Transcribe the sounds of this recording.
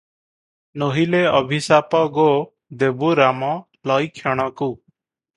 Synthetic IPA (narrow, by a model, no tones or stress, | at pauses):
noɦileɔbʱisaːpɔɡo | d̪eːbuɾaːmɔ | lɔikʰːjɔɽ̃ɔku